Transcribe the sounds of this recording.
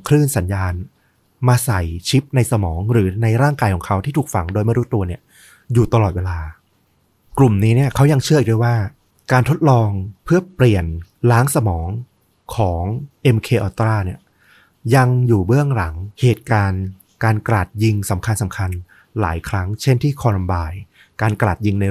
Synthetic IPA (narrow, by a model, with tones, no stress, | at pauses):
kʰɾɯː˥˩nsa˩˦njaː˧n | maː˧sa˨˩jt͡ɕʰi˦˥p̚na˧jsa˧mɔː˩˦ŋɾɯː˩˦na˧jɾaː˥˩ŋkaː˧jkʰɔː˩˦ŋkʰa˦˥wt̪ʰiː˥˩t̪ʰu˨˩k̚fa˧˩ŋdoː˧jma˥˩ɾuː˦˥t̪u˧ɐni˥˩ɐ | juː˨˩t̪a˧lɔː˨˩t̪̚weː˧laː˧ | klu˨˩mniː˦˥ni˥˩ɐkʰa˦˥wja˧ŋt͡ɕʰɯ˥˩ʔ̚du˥˩waː˥˩ | kaː˧nt̪ʰo˦˥t̪̚lɔː˧ŋpʰɯ˥˩ɐpli˨˩ənlaː˦˥ŋsa˧mɔː˩˦ŋ | kʰɔː˩˦ŋʔe˧mkʰeː˧ʔɔː˧t̪ɾaː˥˩ni˥˩ɐ | ja˧ŋjuː˨˩bɯ˥˩əŋɾa˩˦ŋheː˨˩t̪̚kaː˧n | kaː˧nkɾaː˨˩t̪̚ji˧ŋsa˩˦mkʰa˧nsa˩˦mkʰa˧n | la̰ː˩˦jkʰɾa˦˥ŋt͡ɕʰe˥˩nt̪ʰiː˥˩kʰɔː˧la˧mbaː˧j | kaː˧nkɾaː˨˩t̪̚ji˧ŋna˧